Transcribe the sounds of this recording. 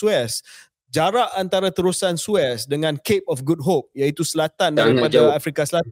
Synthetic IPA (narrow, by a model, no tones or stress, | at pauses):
uɛs | d͡ʒaɾaʔant̪aɾat̪əɾusansuɛsdəŋãnkep̚ɔfɡud̚ɦop̚jait̪usəlat̪andaɾipadaafɾikasəla